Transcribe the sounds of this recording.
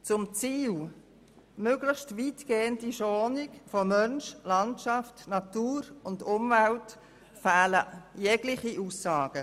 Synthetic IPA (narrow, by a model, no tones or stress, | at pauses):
t͡sʊmt͡siːl | møɡlɪxʃtviːtɡeːəndiʃɔːnɪkfɔmœnʃlɑntʃɑftnɑtuːɾʊndʊmvælt | fæːləjɛɡlɪχiʔuːsːɑːɡ̥ə